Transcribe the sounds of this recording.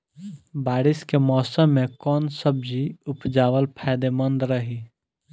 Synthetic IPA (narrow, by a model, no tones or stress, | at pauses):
baːɾɪskemɔːsəmːẽkɔːnsəb̚d͡ʒiʊpd͡ʒaːʋəlpʰaːd̪emə̃nd̪ɾəɦi